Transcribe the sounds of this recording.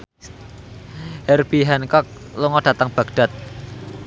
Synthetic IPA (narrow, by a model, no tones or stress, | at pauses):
hɛrb̥iɦɛnkɔk̚ | luŋɔɖ̥ä̤t̪əŋb̥a̤ɡ̥ɖ̥a̤t̪̚